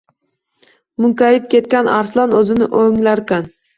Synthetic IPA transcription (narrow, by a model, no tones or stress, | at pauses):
mʊŋkʲaɾɪp̚kʲʰe̞t̪̚kʲanaɾslˠɒnɵzɪnɪʔoŋlaɾkʲan